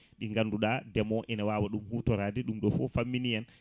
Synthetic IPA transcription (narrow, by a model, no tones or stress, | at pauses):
ɗiŋɡanːduɗadɛmɔʔɛnawaːwaɗumhuːtɔɾaːdɛɗumɗɔfɔfamːinijɛn